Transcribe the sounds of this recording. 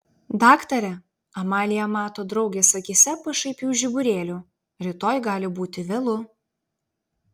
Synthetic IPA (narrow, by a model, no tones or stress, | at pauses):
d̪ɑːkt̪ɐɾʲɛ | ɐmɑːlʲɪjɛmɑːt̪oːd̪ɾɒʊɡʲeːsɐkʲisʲɛpɐʃɐɪpʲjuːʒʲɪbʊɾʲeːlʲuː | ɾʲɪt̪oːjɡɑːlʲɪbuːt̪ʲɪʋʲɛlˠʊ